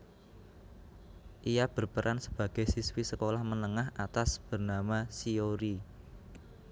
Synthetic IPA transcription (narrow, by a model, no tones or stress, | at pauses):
ʔijab̥ərpəɾʔansəb̥ä̤ɡ̥e̤jsiswisəkolahmənəŋahat̪asb̥ə̤rnamasioɾi